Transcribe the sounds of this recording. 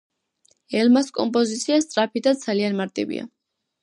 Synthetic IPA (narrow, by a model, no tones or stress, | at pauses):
ɛlmaskʼɔmpʼɔzit̪sʰiast̪sʼɾapʰid̪ad̪zalianmaɾt̪ʼḭvḭa̰